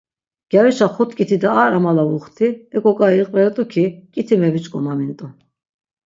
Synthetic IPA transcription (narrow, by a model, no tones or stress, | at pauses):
ɡ̥jaɾiʃaχɔt̪ʰkʼit̪ʰid̪aːɾamalavuχt̪ʰiɛkʼɔkʼaiqʼvɛɾɛt̪ʼukʰikʼit̪ʰimɛvit͡ʃʼkʼɔmamint̪ʼɔ